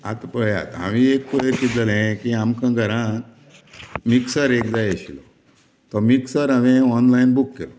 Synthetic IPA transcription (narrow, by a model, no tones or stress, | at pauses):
a̰t̪pəja̰t̪a̰ʋiek̚pəɭekid͡zəlẽkiamkʰãɡʱəɾã | miksəɾekd͡zaeɕilɔ̰ | t̪ɔmiksəɾaʋẽɔnlainbukːelo